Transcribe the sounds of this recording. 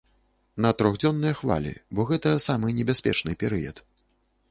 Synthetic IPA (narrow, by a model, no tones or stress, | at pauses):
nɐt̪ɾɔɣd͡zʲɔnːɨjɐxva̰lʲḭbɔɣɛt̪ɐsamɨnʲɛbʲasʲpʲɛ̰t͡ʂnɨpʲɛɾɨjɐ̰t̪